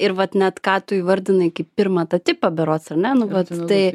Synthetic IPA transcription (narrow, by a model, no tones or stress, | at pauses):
ɪɾʋɐt̪nʲɛt̪kɑːt̪ʊiːʋɐɾʲd̪ʲɪnɐɪkɪppʲɪɾmɑt̪ɐt̪ʲɪpɐbʲɛɾoːsɐrnʲɛnʊʋɐt̪t̪ɐɪ